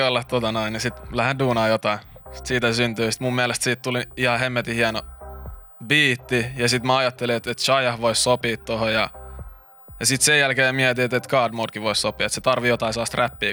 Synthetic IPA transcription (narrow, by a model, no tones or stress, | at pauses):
olːɑtt̪ot̪ɑnoinjɑsit̪læhenduːnɑːjot̪ɑinsi̥t̪siːt̪æsynt̪yːsi̥t̪mummiælest̪siːt̪t̪uliihɑhemːet̪ihiæno | biːt̪ːijɑsit̪mæɑjɑt̪ːeliet̪et̪ʃɑjɑhʋoissopiːt̪t̪ohojɑ | jɑsit̪sejælkeːmiæt̪iet̪et̪kɑːdmoːdkiʋoissopiɑet̪set̪ɑrʋijot̪ɑisɑːst̪ræpːiː